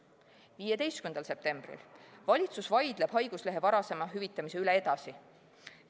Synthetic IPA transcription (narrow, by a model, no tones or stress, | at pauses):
viːje̞d̪e̞jst̪kymend̪ɑlse̞p̚t̪e̞mb̥rḭlvɑlʲit̪susvɑjd̪̥le̞b̥ɦɑjɡ̥usle̞ɦe̞vɑɾɑse̞mɑɦyvit̪ːˑɑmise̞yle̞ed̪̥ɑsi